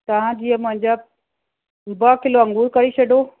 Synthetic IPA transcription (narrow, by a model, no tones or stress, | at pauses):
t̪ɐʋ̤ãd͡ʑiːəmʊ̃ɦɪ̃ɲd͡ʑa | bɐkɪloɐ̃ŋɡuːɾkɐɾit͡ɕʰɐɖo